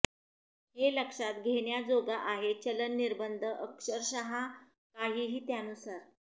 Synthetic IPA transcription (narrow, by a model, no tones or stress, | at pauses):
heləkʂat̪ɡʱeɳjad͡zoɡaʔaɦet͡ɕələnːiɾbənd̪ʱəʔəkʂəɾɕaɦa | kaɦiːɦiːt̪janusaɾ